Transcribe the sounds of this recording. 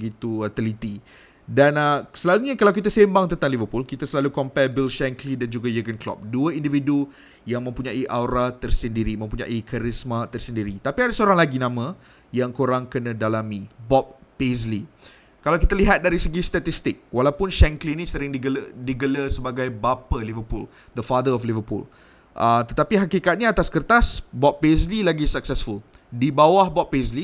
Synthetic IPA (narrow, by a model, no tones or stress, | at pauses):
əɡit̪uat̪əlit̪i | danasəlaluɲakalawkit̪asembaŋt̪ənt̪aŋlivəpulkit̪asəlalukɔmpɛrbilʃɛŋklidand͡ʒuɡajəɡənklɔ̰p̚duəindividu | jaŋmə̃mpuɲãʔiʔawɾat̪ərsəndiɾimə̃mpuɲã̰ʔikʰaɾismat̪ərsəndiɾit̪apiadasəoɾaŋlaɡinãmã | jaŋkoɾaŋkənãdalamibɔp̚ːesli | kalawkit̪aliɦat̪̚daɾisəɡist̪at̪ist̪ɪk̚walawpʊnʃɛŋklinĩsəɾɪŋdiɡəldiɡələsəbaɡajbapalivəpul | d̪əfad̪əɔflivəpṵl | ʔət̪ət̪apiɦakikat̪̚niat̪askərt̪asbɔppezlilaɡisak̚sɛsful | dibawahbɔpːesli